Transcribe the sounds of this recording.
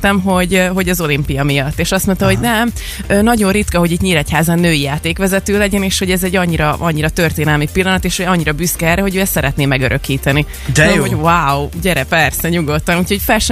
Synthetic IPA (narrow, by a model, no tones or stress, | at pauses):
t̪ɛmɦo̞ɟɦo̞ɟɒzo̞limpijɒmijɒt̪ːeːʃɒst̪mont̪ɒɦo̞ɟnɛm | øːnɒɟo̞rit̪kɒɦo̞ɟit̪ɲiːɾɛchaːzɛnːøːijaːt̪eːkʋɛzɛt̪øːlɛɟɛneːʃho̞ɟɛzɛɟːɒɲːiɾɒʔɒɲːiɾɒt̪ørt̪eːnɛlmipilːɒnɒt̪eːʃhoɟɒɲːiɾɒbyskɛɛrɛɦo̞ɟøːjɛsɛɾɛt̪neːmɛɡøɾʔø̞kiːt̪ɛni | d̪ɛɛoʋaːwɟɛɾɛpɛrsɛɲuɡo̞t̪ːɒnuːcho̞cfɛlʃɛ